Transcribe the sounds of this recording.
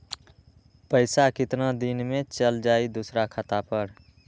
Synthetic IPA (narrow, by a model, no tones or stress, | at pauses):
pəɪsakɪt̪nad̪inmet͡ʃəld͡ʒaːid̪usɾakʰət̪apəɾ